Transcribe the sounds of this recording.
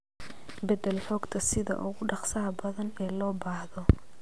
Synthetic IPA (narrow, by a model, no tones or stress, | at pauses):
bɛd̪ɛlħɔːɡt̪ʰɐsɪðɐ̰ʔʊɣʊɖɑqsɐːbɐðɐnɛːlɔːbaːhðɔ